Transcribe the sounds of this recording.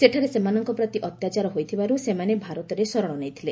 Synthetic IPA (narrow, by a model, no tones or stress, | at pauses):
seʈʰaɾesemanɔŋkɔpɾɔt̪iʔɔt̪jat͡ʃaɾɔɦojt̪ʰibaɾusemanebʱaɾɔt̪ɔɾesɔɾɔɽ̃ɔnejt̪ʰile